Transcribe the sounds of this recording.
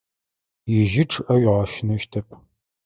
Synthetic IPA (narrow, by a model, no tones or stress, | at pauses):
jɪʒɪʈ͡ʂʰɨʔɐɥɪʁɐʃɪnɐʃtʰɐp̚ʰʼ